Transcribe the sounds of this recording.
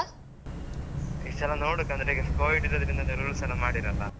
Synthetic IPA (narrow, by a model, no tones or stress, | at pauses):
it͡ʃːɐlːɐnoːɽukːɐnd̪ɾeɡefkoːjiʈːiɾɐd̪ɐɾind̪ɐniɾʋɐɭusɐnɐmaːɽiɾɐlːɐ